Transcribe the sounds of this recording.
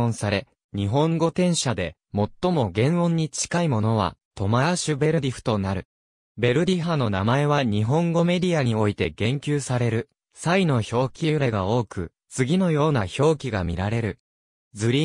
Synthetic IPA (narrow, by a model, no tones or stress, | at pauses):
õɰ̃saɾe̞ | ɲ̟iɦõ̞ŋɡo̞t̪ẽ̞ɰ̃ɕad̪e̞ | mo̞t̪ːo̞mo̞ɡẽ̞ɰ̃õ̞ɲ̟ːit͡ɕi̥kaimo̞no̞βa̰t̪o̞maaɕɨbe̞ɾɯ̟d̪ʲiɸɯ̥t̪o̞naɾɯ̟ | be̞ɾɯ̟d̪ʲiɦano̞namae̞βaɲ̟iɦõ̞ŋɡo̞me̞dʲiaɲ̟io̞it̪e̞ɡẽ̞ŋkʲɨːsaɾe̞ɾɯ̟ | saino̞ço̞ːkʲiɯɾeɡao̞ːkɯ̟ | t͡sɨɡʲino̞jo̞ːnaço̞ːkʲiɡa̰mʲḭɾaɾe̞ɾɯ̟ | d͡zɨɾʲi